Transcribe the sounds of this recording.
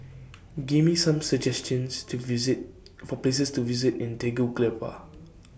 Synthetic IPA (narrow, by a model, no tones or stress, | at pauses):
ɡivmisãmsəd͡ʒɛst͡ʃə̃nstut̚ | fɔples̬əstuvizɪtĩnteɡuklɛpa̰